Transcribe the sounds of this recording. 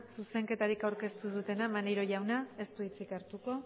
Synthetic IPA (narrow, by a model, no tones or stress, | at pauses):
suse̞ŋke̞t̪aɾikawɾke̞st̪uðut̪e̞namaneɾo̞ʝawnae̞st̪uit͡sikaɾt̪uko̞